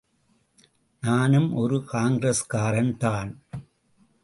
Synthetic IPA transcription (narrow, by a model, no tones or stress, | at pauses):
naːnɯmʔɔɾɯkaːŋɡɾɐskaːɾɐnt̪aːn